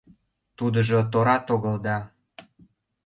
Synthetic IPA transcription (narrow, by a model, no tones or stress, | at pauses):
t̪ud̪əʒot̪oɾɑt̪oɣə̆ld̪ɑ